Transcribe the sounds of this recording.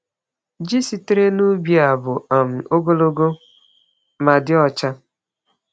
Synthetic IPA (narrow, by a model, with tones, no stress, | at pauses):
d͡ʒi˦si˨te˦ɾe˦nu˦bi˨a˨bʊ˨a˨m̩˨o˦ɡo˦lo˦ɡo˦ | ma˨dɪ˦ɔ˦t͡ʃa˦